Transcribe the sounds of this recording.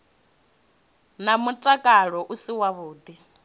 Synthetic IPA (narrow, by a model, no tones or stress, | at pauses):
namutʼakʼaɺɔʔusiwaβuːd̪i